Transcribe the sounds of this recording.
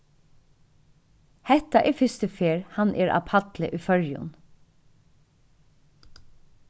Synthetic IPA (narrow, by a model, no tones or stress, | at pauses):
hɛt̪aʔɛːfɪst̪əfeːɹhanʔɛːɹʔa̰pʰat̪lɪ̰ʔʉfœɹjʊ̰n